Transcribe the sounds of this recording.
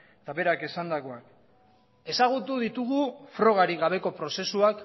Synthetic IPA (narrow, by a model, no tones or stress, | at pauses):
et̪aβe̞ɾake̞sand̪ako̞ak | e̞saɣ̞ut̪uðit̪uɣufɾo̞ɣ̞aɾiɣaβe̞ko̞pɾo̞se̞suak